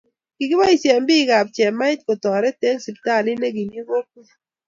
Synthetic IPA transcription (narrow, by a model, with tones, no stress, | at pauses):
ki˨ɡɪ˦ba˦i˨sjɛ˨mbi˦ɡa˨p̚t͡ʃɛ˨ma˦ɪ˦tko˨tɔ˨ɾɛ˦te˦ŋsi˨pta˦˨lɪ˦ne˦ɡi˨ni˦ɡo˦k̚u˦